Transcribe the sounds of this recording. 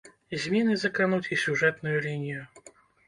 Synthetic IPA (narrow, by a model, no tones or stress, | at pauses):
zʲmʲinɨzɐkɾɨnut͡sʲisʲuʐɛt̪nʊjulʲinʲijʊ